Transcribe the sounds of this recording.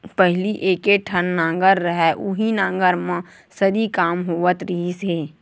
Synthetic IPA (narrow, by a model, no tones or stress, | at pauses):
pɛɦliʔeːkeʈʰənːãːŋɡəɾːəɦɛʔʊɦinãːŋɡəɾmã | səɾikaːmɦoːʋət̪ɾiːseː